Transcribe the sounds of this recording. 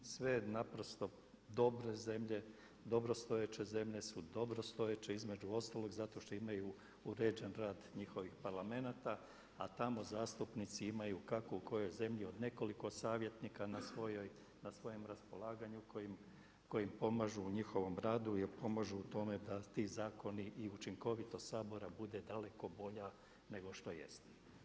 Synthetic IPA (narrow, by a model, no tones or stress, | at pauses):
sʋe̞napɾo̞st̪o̞ | d̪o̞bɾe̞ze̞mʎe̞ | d̪o̞bɾo̞st̪o̞jet͡ʃe̞ze̞mʎe̞sud̪o̞bɾo̞st̪o̞jet͡ʃe̞izme̞d͡ʒuo̞st̪aːlˠo̞ɡzat̪o̞ʃt̪o̞imaju | uɾed͡ʒenɾaːd̪ɲixo̞ʋixpaɾlˠame̞nat̪a | at̪amo̞zaːst̪upnit̪siimajukako̞uko̞jo̞jze̞mʎio̞d̪ne̞ko̞liko̞saːʋje̞t̪nikanasʋojoj | nasʋo̞jo̞mɾaspo̞lˠaːɡaɲukoim | ko̞jimpo̞maʒuːɲixo̞ʋo̞mɾaːd̪ujeɾpo̞maʒuːt̪o̞me̞d̪at̪iːzaːko̞niʔːut͡ʃiŋko̞ʋit̪o̞saːbo̞ɾabud̪e̞d̪ale̞ko̞bo̞ʎa | ne̞ɡo̞ʃt̪o̞jḛst̪e̥